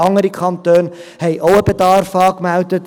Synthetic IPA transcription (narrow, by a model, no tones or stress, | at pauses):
ɑŋəɾikʰɑntøːn | hɛjʔɔwəbədɑːrfɑːkmœwtət